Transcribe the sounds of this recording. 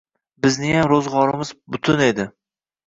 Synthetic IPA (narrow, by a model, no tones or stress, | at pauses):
bɪznɪjamɾozʁɒɾɪmɪzbʊt̪ʰʊne̞d̪ɪ